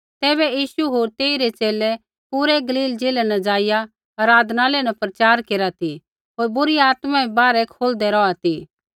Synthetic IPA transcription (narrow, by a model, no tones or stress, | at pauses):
t̪ɛːβɛjiːʃuɦoːɾt̪eːiɾet͡ʃeːlɛ | puːɾɛɡɐliːld͡ʒeːlɛnɐd͡ʒaːɪja | ɐɾaːd̪ʱnalɛnapɾɐt͡ʃaːɾkeːɾat̪ʰi | ɦoːɾbʊɾiaːt̪mãibaːɾɛkʰoːld̪ɛɾɔat̪ʰi